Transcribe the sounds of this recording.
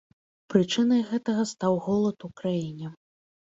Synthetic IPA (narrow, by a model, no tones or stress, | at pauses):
pɾɨt͡ʂɨnɐjɣɛt̪ɐɣɐst̪awɣɔlˠɐt̪ukɾajinʲɛ